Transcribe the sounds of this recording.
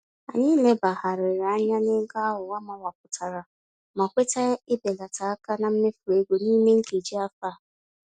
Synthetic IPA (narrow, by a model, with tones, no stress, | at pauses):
a̰˨ɲɪ˦le˦ba˨ha˨ɾɪ˨ɾa˦ɲa˦nɪ˦ɡa˦a˦ɦʊ˨wa˦ma˦wa˨k̚ʊ˨tʰa˨ɾa˨ | ma˨kʷe˦ta˦ɪ˦be˨la˨ta˨a˦ka˦na˨m̩˦me˦fu˨ɾe˦ɡo˨niː˦me˦ŋ̩˦ke˨d͡ʒi˦a˦fa˦˨